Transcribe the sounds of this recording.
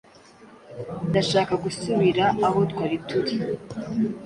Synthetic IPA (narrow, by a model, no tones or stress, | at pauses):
ndaʃaːkaɡusuβiɾaːho̞tkwaːɾitʰuɾi